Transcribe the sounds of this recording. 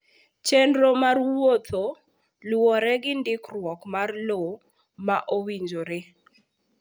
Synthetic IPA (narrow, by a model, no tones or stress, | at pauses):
t͡ʃɛndɾomarwot̪o | lwɔɾɛɡɪndɪkrwɔkmarlo | maʔowiɲd͡ʒoɾe